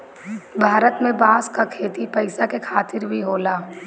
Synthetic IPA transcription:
bʱaːɾət̪mẽbãːskakʰeːt̪ipɐɪsakekʰaːt̪ɪɾbʱiɦoːlaː

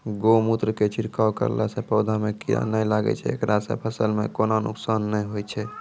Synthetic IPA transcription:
ɡomut̪ɾəket͡ʃʰiɾkawkə̰ɾ̰lasẽpəwd̪ʱamekiɾa̰nəlaɡɛ̰t͡ʃʰɛ̰ḛkɾasḛ̃pʰəsəlmekononṵksanːəjɦojt͡ʃʰɛ

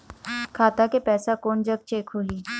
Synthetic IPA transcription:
kʰaːt̪akepɛːsakoːɳd͡ʑəɡ̚t͡ɕeːkʰɦoliː

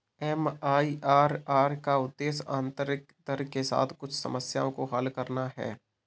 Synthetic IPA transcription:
ɛmaːiʔaːɾaːɾkaʊd̪ːeːsã̰ːnt̪əɾɪk̚d̪əɾkesa̰ːt̪ʰkʊt͡ʃʰsɐ̰məsja̰ːõkoɦəlkɐɾnaɦɛ̰ː

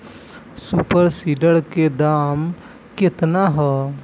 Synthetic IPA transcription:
supəɾsiːɖəɾked̪aːm | kɪt̪naɦɛː

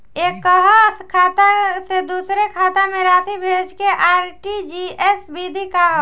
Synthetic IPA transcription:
eːkːəɦɔskʰaːt̪ased̪uːsɾekʰaːt̪amẽɾaːt̪ʰibʱeːd͡ʒkeʔaːɾʈid͡ʒiɛsbid̪ʱikaɦ

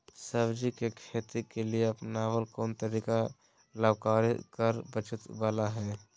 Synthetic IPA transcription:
səbd͡ʒikekʰeːt̪ikelieɐpnaːʋəlkoːnt̪əɾiːka | ləbkaːɾkəɾbət͡ʃət̪baːlaɦɛː

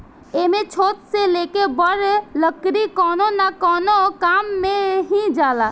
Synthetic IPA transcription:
emet͡ʃʰot̪selekebəɾləkɾikɔnonakɔnokamːeɦĩd͡ʒala

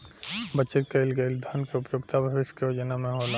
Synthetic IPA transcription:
bət͡ʃətkɐɪlɡəɪld̪ʱɐnkeʊpjoːɡt̪abʱɐbɪskejoːd͡ʒənamẽɦola

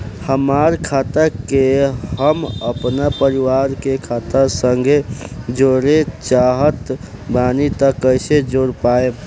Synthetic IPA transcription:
həmaːɾkʰaːt̪əkeɦəməpnapəɾiwaːɾkekʰaːt̪əsəŋɡʱed͡ʒoɾet͡ʃaːɦət̪baːnit̪əkːəɪsed͡ʒoːɾpaːe

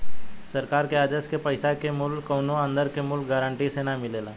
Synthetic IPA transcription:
sɐɾkaːɾkeaːd͡ʒəskepəɪsakemʊlkːəːnoə̃nd̪əɾkemʊlk̚ɡaɾəɳʈisenamɪleːlaː

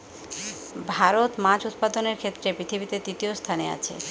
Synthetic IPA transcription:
bʱaɾot̪mãd͡ʑut̪̚pad̪oneɾkʰet̪ːɾepɾit̪ʰibit̪ed̪ɾit̪iost̪ʰanea̰t͡ɕʰḛ

